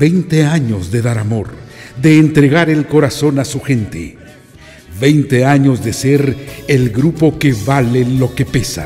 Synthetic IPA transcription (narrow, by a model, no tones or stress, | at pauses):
bejnt̪eaɲo̞zðe̞ðaɾamo̞ɾðe̞ːnt̪ɾe̞ɣaɾe̞lko̞ɾaso̞nasuxe̞nt̪ḛ | be̞jnt̪e̞aɲo̞zðe̞se̞ɾelɡɾupo̞ke̞βalelo̞ke̞pe̞sa̰